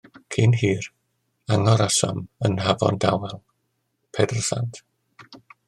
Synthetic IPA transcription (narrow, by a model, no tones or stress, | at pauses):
kʰiːnɦiːr | aŋɔɾasɔ̰mənɦavɔ̰ndawɛlˠ | pʰɛdr̩sa̰ntʰ